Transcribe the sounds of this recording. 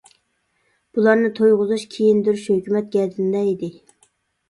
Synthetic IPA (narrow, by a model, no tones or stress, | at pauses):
b̥ulˠɑɾnɨt̪ʰojʁʊzuʃkʲʰejind̪yɾʃhøkʲymɛt̪̚ɡʲɛd̪ʰɪnd̪ɛid̪ɪ